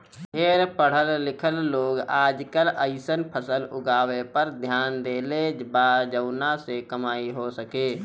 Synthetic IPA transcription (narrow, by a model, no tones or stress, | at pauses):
ɦeːɾpəɽ̤əlːɪkʰəlːoːɡaːd͡ʒkələɪsənpʰəsəlʊɡaːwepəɾd̪ʱjaːnd̪eːlebad͡ʒəʊnasekəmaːiɦosəkeː